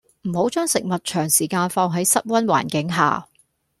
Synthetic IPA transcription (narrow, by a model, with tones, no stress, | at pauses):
m̩˨˩ho˨˥wt͡ʃœː˥ŋsɪ˨k̚mɐ˨t̚t͡ʃʰœː˨˩ŋsiː˨˩kaː˧nfɔː˧ŋɦɐ˨˥jsɐ˥t̚wɐ˥nwa̰ː˨˩nkɪ˨˥ŋɦa̰ː˨